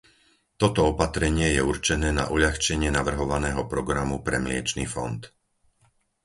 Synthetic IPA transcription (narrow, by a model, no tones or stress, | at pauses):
t̪ɔt̪ɔɔpat̪ɾɛɲɪɛjɛurt͡ʃɛnɛːna̰ʔuʎaxt͡ʃɛɲɪɛnaʋr̩ɦɔʋanɛːɦɔpɾɔɡɾamupɾɛmlɪɛ̰t͡ʃniːfɔ̰nt̪